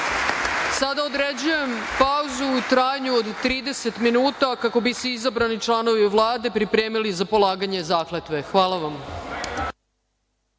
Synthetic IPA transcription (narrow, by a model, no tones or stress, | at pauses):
sad̪aod̪ɾed͡ʑuje̞mpauzuːt̪ɾaːjɲuod̪t̪ːɾiːd̪ese̞t̪minuːt̪akako̞bisuizabɾanit͡ʂlˠano̞ʋiʋlˠaːd̪e̞pɾipɾe̞ːmilizapo̞lˠaːɡaɲezaːklet̪ʋe̞xʋaːlˠaʋam